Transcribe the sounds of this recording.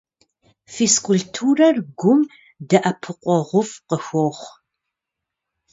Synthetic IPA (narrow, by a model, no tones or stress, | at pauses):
fiskʷʊltʰuːrɐrɡʷʊm | dɐʔɐpʰɨqʷʼɔʁʷʊfqəxʷoːχʷ